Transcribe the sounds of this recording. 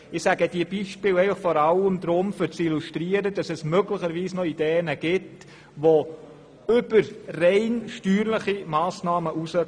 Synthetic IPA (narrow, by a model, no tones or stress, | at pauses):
ɪsæɡəd̥iəbiʃpɪːlɛɪfəχfɔɾɑləmd̪ɾʊmfʏɾt͡siluʃtɾiəɾəd̥ɑsɛsmøɡləχəɾʋiːsnɔid̥ɛːənəɡ̥ɪt | ʋo | ʏbəɾrɛɪnʃtyːɾləχimɑːsnɑːməʔusə